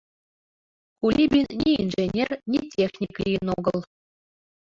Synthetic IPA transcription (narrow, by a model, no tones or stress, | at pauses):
kulʲʔibʲinːʲiinʐenʲernʲitʲexnʲiklʲijɘnoɡɤlˠ